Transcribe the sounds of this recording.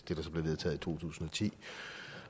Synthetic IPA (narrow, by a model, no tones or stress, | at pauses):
d̥e̝d̥ɑ̈sɒ̽b̥le̝ʋe̝ðˠt͡sʰɛ̰ːðˠit͡sʰo̝̰ːt͡sʰṵːsn̩ɒ̽t͡sʰḭː